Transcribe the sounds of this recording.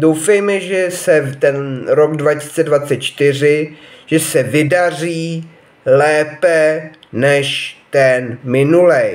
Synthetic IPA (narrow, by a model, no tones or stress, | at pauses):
dowfɛjmɛʒɛsɛt̪ɛnɾoɡdvaisi̥t͡sɛdvatt͡sɛt̪̚t͡ʃt̪ɪr̝ɪʒ̥ɛsɛvɪdar̝iː | lɛːpɛ | nɛʃt̪ɛnmɪnulɛj